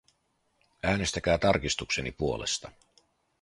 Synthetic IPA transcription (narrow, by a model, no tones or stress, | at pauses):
æːne̞st̪æk̟æːt̪ɑrkist̪ukse̞nipuo̞le̞̰st̪ɑ